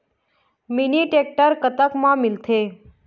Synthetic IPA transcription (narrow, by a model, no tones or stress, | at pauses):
miniʈek̚ʈəɾkət̪əkmãmɪlt̪ʰe